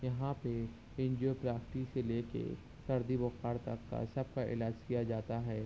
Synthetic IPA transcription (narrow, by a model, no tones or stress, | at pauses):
jɐɦãpe | ɪ̃nd͡ʒiopɾaːkʈiseleːkḛ | sɐɾd̪ibʊxaːɾt̪ɐkːa̰sɐb̚kaʔɪ̰laːd͡ʒkijad͡ʒaːt̪aɦɛː